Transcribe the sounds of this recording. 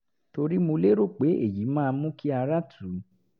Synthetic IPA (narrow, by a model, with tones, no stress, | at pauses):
to˧ɾi˦mo˧le˦ɾo˦˨k͡pe˨˦ḛ˦˨ji˨˦mãː˦˧mũ˦ki˦a˧ɾa˦tʰu˨˦